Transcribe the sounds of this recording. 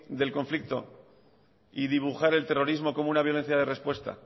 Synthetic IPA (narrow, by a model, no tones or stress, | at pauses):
d̪e̞lko̞ɱflik̚t̪o̞̰ | iðiβuxaɾe̞lt̪e̞ro̞ɾizmo̞ko̞mounaβjo̞le̞n̟θjaðe̞re̞spwe̞st̪a̰